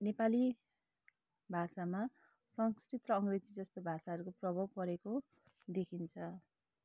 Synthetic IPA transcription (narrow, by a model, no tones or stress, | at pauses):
nepali | bʱasama | sʌŋskrit̪rʌːŋɡred͡zid͡zʌst̪obʱasaɦʌɾukoprʌbʱʌbpʌɾeko | d̪ekʰint͡sʰʌ